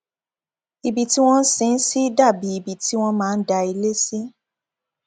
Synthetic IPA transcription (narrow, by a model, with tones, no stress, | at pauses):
i˨bi˨ti˦w̃ɔ̃˦n̩˦sĩ˨˧n̩˦si˦da˦˨bi˨˧i˨bi˨ti˨˦w̃ɔ̃˦mãː˦˧n̩˦da˧i˧le˦si˦